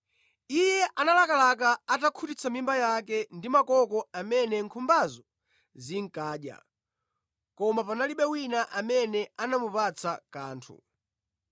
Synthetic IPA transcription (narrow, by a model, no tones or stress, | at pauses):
ijɛʔanalakalak̬aːtakʰutit͡sʰamimbajakɛndimakɔkɔamɛnɛŋkʰumbazɔ | ziŋ̩kaːɗja̰ | kɔmapanaliɓɛwinaʔamɛnɛanamupat͡sʰakaːntʰṵ